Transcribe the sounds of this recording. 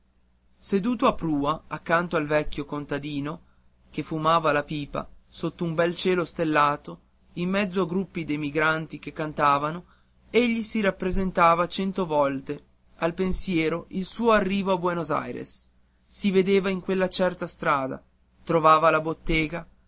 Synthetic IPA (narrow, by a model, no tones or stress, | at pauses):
sed̪uːt̪oapːɾuːaakːant̪oalvɛkʲːjokont̪ad̪iːno | kefumaːvalapiːpa̰sot̪ːoumbɛlt͡ʃeːlost̪elːaːt̪o | imːɛd̪zːoaɡɾupːid̪emiɡɾant̪ik̟ekːant̪aːvano | eʎːisiɾapːɾezent̪aːvat͡ʃɛnt̪ovɔlt̪e | alpensjɛːɾoʔilsuːoarːiːvoabwenoza̰jɾḛsː | ived̪eːvaiŋkwelːat͡ʃɛrt̪ast̪ɾaːd̪a̰ | t̪ɾovaːvalabot̪ːeːɡa